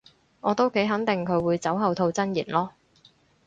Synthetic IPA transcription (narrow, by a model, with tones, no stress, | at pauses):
ŋʔɔː˨˧t̪o˥wke˨˥jɦɐ˨˥ŋt̪ɪ˨˩ŋkʰɵ˨˧ɥwuː˨˧jt͡sɐ˨˥wɦɐ˨wt̪ʰo˧wt͡sɐ˥njḭː˨˩nlɔː˥